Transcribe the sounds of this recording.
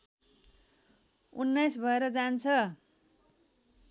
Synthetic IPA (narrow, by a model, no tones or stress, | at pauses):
unːajsbʱʌeɾʌd͡zant͡sʰʌ